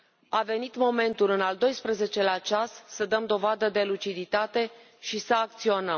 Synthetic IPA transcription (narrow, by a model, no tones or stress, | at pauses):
ave̞nit̪mo̞me̞nt̪ulɨnald̪o̞jspɾəze̞t͡ʃe̞lat͡ʃasːəd̪əmd̪o̞vad̪əd̪e̞lut͡ʃid̪it̪at̪e̞ | ʃisəak̚t̪sio̞nəm